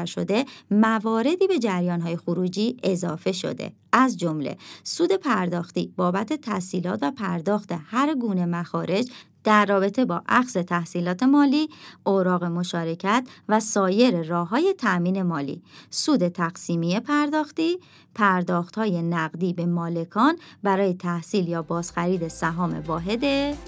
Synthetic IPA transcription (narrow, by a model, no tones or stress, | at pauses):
æɾʃo̞̰d̪e̞mævɒːɾe̞d̪iːbe̞d͡ʒæɾjɒːnɦɒːje̞xoɾuːd͡ʒiːe̞zɒːfe̞ʃo̞̰d̪ḛ | ʔæzd͡ʒo̞mlḛsuːd̪e̞pʰæɾd̪ɒːxt̪ḭːb̥ɒːbæt̪ʰe̞t̪ʰæsiːlɒ̰ːt̪væpʰæɾd̪ɒːxt̪e̞hæɾɡuːne̞mæxɒːɾe̞d͡ʒ | d̪̥æɾːɒːbe̞t̪ʰe̞bɒ̰ːʔæxze̞t̪ʰæhsiːlɒːt̪ʰe̞mɒːliːʔoɾɒːɣe̞mo̞ʃɒːɾe̞cʰæt̪ʰvæsɒːje̞ɾerɒːɦɒːje̞t̪ʰæʔmiːne̞mɒːlḭːsuːd̪e̞t̪ʰæɣ̥siːmijepʰæɾd̪ɒːxt̪iː | pʰæɾd̪ɒːxt̪hɒːje̞næɣd̪iːbe̞mɒːle̞kʰɒːnbæɾɒːje̞t̪ʰæhsiːljɒːbɒːz̥xæɾiːd̪e̞sæɦɒːme̞̰vɒːɦe̞d̪e